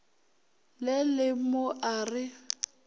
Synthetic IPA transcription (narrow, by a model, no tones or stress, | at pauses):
lɪlɪmoʔaːrɪ